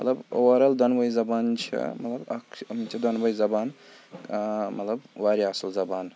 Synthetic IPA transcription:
mɐt̪lɐbo̰wɐɾɐld̪ɐnbɐjzɐbaːnt͡ʃʰḭmɐt̪lɐbɐ̰kɐmit͡ʃʰid̪ɐnbɐjzɐbaːn | mɐ̰t̪lɐbwaːɾiaslzɐbaːn

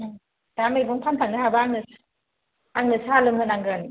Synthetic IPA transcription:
damejbuŋpʰantʰaŋɯɦabaaŋnɯs | aŋnɯsaalɯmhɯnaŋɡɯn

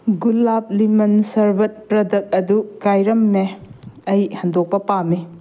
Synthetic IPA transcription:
ɡulap̚limɐnsɐɾbɐt̚pɾɐdɐk̚ɐdukajɾɐmːeɐjhɐndok̚pɐpami

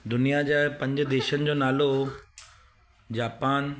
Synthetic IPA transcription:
d̪ʊnijad͡ʑaːpɐ̃ɲd͡ʑd̪eːʃənɪ̆d͡ʑoːnaːlo | d͡ʑaːpaːn

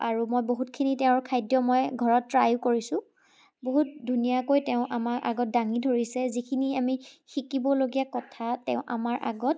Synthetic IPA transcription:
aɹumojboɦutkʰinitɛʊ̃ɹkʰajdjɔmojɡʱɔɹɔtːɹajukoɹisʊ̃ | boɦut̚dʱunijakojtɛʊ̃ʔamaɹʔa̰ɡɔt̚daŋidʱoɹisɛzikʰiniamixikibɔloɡijakɔtʰatɛ̰ʊ̃ʔa̰maɹʔa̰ɡɔt̚

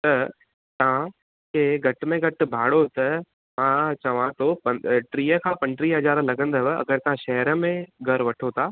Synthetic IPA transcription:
t̪ɐ | t̪ɐã | kʰeːɡʱɐʈ̆mẽɡɐʈ̆bʱaːɽot̪ɐ | mãt͡ɕɐʋãt̪oːpɐʈɾiːəkʰãːpɐ̃ɳʈɾiɦɐzaːɾlɐɡə̃nd̪əʋɐ̰ɡəɾt̪ɐʋ̤ãʃɐɦəɾəmẽɡʱɐɾʋɐʈʰot̪ʰaː

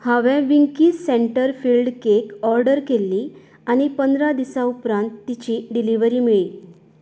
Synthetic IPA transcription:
haʋɛ̃ʋiŋkiːsseɳʈəɾfiːlɖkekɔɾɖəɾkelːi | añipənd̪ɾad̪isaupɾãnt̪ːit͡ɕiɖiliʋəɾiːmiɭiː

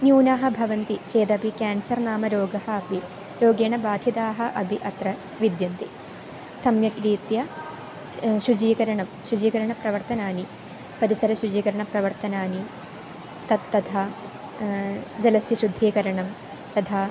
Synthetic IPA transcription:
njuːnaːɦɐ̆bʱɐʋɐnt̪it͡ʃeːd̪ɐbʱikaːnsɐɾnaːmɐɾoːɡɐɦɐɐbʱi | ɾoːɡeːɳɐbaːd̪ʱid̪aːɦɐ̆ʔɐbʱiʔɐt̪ɾɐ | ʋid̪jɐnt̪i | sɐmjɐkɾiːt̪jɐ | ʃud͡ʒiːkɐɾɐɳɐmʃud͡ʒiːkɐɾɐɳɐpɾɐʋɐɾt̪ɐnaːni | pɐɾisɐɾɐʃud͡ʒiːkɐɾɐɳɐpɾɐʋɐɾt̪ɐnaːni | t̪ɐt̪ːɐd̪ʰʱaː | d͡ʒɐlɐsjɐʃud̪ʱːiːkɐɾɐɳɐm | t̪ɐd̪ʰʱaː

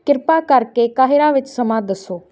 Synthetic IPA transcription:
kɪɾpakəɾkekaːɦɪɾaʋɪt͡ʃsəmãd̪əsoː

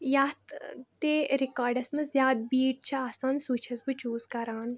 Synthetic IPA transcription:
jaːt̪t̪eɾikaːɾɖɐsmɐzjaːd̪̚biːʈ̚t͡ʃʰɐaːsaːnsuːt͡ʃʰɐsbɨt͡ʃuːzkɐɾaːn

